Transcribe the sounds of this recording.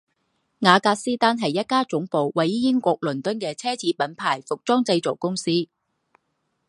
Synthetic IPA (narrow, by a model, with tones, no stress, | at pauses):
ŋaː˨˧kaː˧k̚siː˥t̪aː˥nɦɐ˨jːɐ˥t̚kaː˥t͡sʊ˨˥ŋpo˨wwɐ˨˥jjɪ˥ŋkʷɔː˧k̚lɵ˨˩nt̪ɵ˥nkɛː˧t͡sʰɛː˥t͡siː˨˥pɐ˨˥npʰaː˨˩jfʊ˨k̚t͡sɔː˥ŋt͡sɐ˧jt͡so˨˩wkʊ˥ŋsiː˥